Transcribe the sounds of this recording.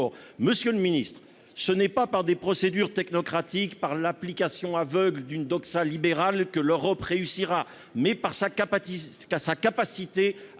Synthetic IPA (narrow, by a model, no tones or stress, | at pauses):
ɔməsjəlminist̪χ | sənɛpapaʁd̪epχɔsed̪yʁt̪ɛknɔkχat̪ikpaʁlaplikasjɔ̃avœɡld̪ynd̪ɔksalibeʁalkəløʁɔpʁeysiʁa | mɛpaʁsak | sakapasit̪e